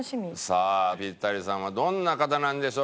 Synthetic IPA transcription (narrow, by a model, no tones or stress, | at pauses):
ɕimʲisapʲit̪ːaɾʲisãɰ̃βad̪õ̞nːakat̪anãnd̪e̞ɕo